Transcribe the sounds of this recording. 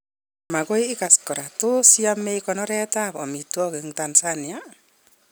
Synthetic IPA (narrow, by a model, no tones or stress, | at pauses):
makɔjɪkaskɔɾatʊsiameikɔnɔɾɛtapɔmitwɔkeŋtansania